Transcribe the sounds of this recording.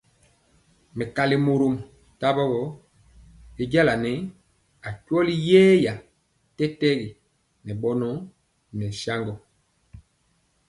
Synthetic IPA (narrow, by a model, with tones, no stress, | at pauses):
mɛ˨ka˨li˨mo˨ɾo˨m | ta˦bɔ˦bɔ˦ | e˦ɟa˦la˨nɛ˨˦ | a˨kwɔ˦li˦jɛː˦ja˨ | tɛ˦tɛ˦ɣi˨ | nɛ˨ɓɔ˦nɔ˦ | nɛ˨sa˦ŋɡɔ˨